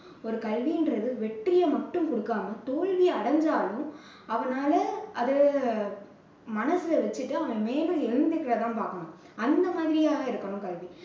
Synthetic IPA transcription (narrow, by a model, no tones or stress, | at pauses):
ɔɾɯkɐlʋiɪnɾɐðɯʋɛʈrɪjɐmɐʈːɯmkɔɽɯkːaːmɐt̪oːɻʋiɐɽɐɲd͡ʒaːlʊ̃ | ɐʋɐnaːlɐɐðɐ | mɐnɐsɯlɐʋɐt͡ʃːɯʈːɯɐʋɐnɐmeːlɯɛɻɯnd̪ɯkːɪɾɐt̪ãːpaːɾkɐɳʊ̃ | ɐnd̪ɐmaːðɪɾɪjaːɣɐɪɾɯkːɐɳʊ̃kɐlʋi